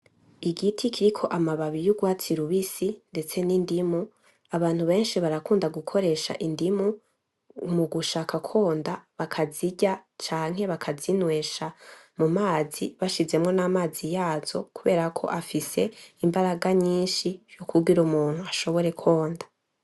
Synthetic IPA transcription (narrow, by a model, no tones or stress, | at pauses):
iɡitʰikʰiɾikʰo̞ʔamaβaβijuɡwaːt͡siɾuβisinde̞t͡se̞nindimu | aβaːn̥huβe̞ːnʃiβaɾakuːndaɡukʰo̞ɾe̞ːʃa̰ʔindimu | muɡuʃaːkʰakʰo̞ːndaβakʰaziɟat͡ʃaːŋ̥ɦe̞βakʰazinwe̞ːʃamumaːziβaʃize̞mŋo̞namaːzijaːz̥o̞kuβe̞ːɾakʰo̞̰ʔafise̞imbaɾaɡaɲiːnʃijokʰuɡiɾumuːn̥huaʃo̞βo̞ɾe̞kʰo̞ːndḁ